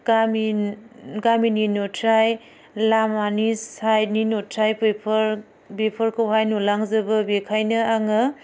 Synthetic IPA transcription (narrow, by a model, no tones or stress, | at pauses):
ɡam | ɡamininotʰɾaj | lamanisajninotʰɾajppʰ | bepʰɐɾkʰɯwɦajnulaŋzɐbɐbekʰajnɐaŋɯ